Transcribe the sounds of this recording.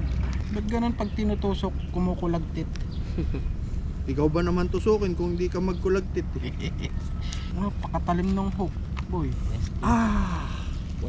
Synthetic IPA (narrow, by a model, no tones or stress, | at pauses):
d̪ɐɡːɐnonpɐɡ̚t̪ɪnut̪uːsokːʊmokʊlɐɡ̚t̪ɪt̪̚ | ʔɪkawbɐnɐmant̪ʊsuːkɪnkʊŋhɪnd̪ikɐmɐɡ̚kʊlɐɡ̚t̪ɪt̪̚ | ŋapɐkɐt̪ɐlɪmnoŋɦok̚ | bojʔa